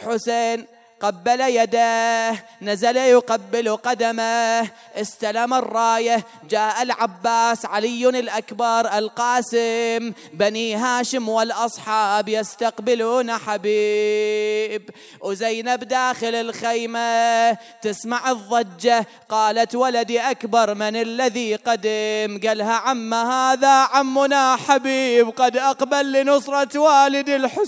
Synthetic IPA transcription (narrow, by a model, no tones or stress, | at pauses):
ħʊseːn | qabːalajad̪ahnazalajʊqabːɪluqad̪ama | ʔɪst̪alamarˤːɑːja | d͡ʒaːʔalʕabːaːsʕalɪjːʊnɪlʔakbɑɾˤʔɪlqɑːsɪm | baniɦaːʃɪmwɪlʔɑsˤħɑːbjɪst̪aqbɪluːnaħabiː | b | wzajnabd̪aːxɪlɪlxejma | t̪ɪsmaʕɨðˤːɑd͡ʒːa | qɑːlat̪walad̪iʔakbɑɾˤmɪnalːaðiqad̪ɪmɡalɦaʕamːahaːðaʕamːʊnaħabiːbqɑd̪ʔɑqbalːinʊsˤɾˤɑt̪waːlɪd̪ilħɪ